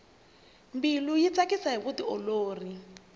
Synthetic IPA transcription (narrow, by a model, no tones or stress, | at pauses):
mbilujit͡sakisaɦiβutiɔloːri